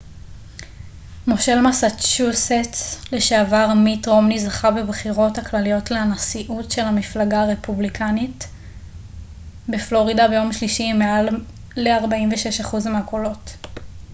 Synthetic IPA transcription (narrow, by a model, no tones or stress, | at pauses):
moʃe̞lmasat͡ʃuset͡sleʃeavaʁmitʁo̞mnizaχabe̞bχiʁo̞thaklalijo̞tleanasiʔutʃe̞lhamiflaɡaːʁe̞publikʰanit | beflo̞ʁidabe̞jo̞mʃliʃimealː | eaʁbaimveʃe̞ʃaχuzmeako̞lo̞t